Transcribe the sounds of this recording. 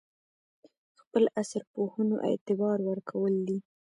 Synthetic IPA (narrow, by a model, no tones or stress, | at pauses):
xpəlasɾpohəno̰ʔḛt̪ɪbɑɾwəɾkʰawəld̪i